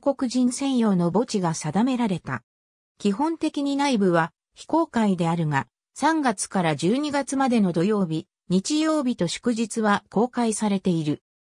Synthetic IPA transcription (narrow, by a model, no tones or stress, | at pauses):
ko̞kɯ̟ʑĩɰ̃sẽ̞ɰ̃jo̞ːno̞bo̞t͡ɕiɡasad̪ame̞ɾaɾe̞t̪a̰ | kʲiɦõ̞nt̪e̞kʲiɲ̟inaibɯ̟βa | çi̥ko̞ːkaid̪e̞aɾɯ̟ŋa | sãŋɡat͡sɨ̥kaɾad͡ʑɨːɲ̟iɡat͡sɨmad̪e̞no̞d̪o̞jo̞ːbʲi | ɲ̟it͡ɕijo̞ːbʲit̪o̞ɕo̥kɯ̟ʑit͡sɨβako̞ːkaisaɾe̞t̪e̞iɾɯ̟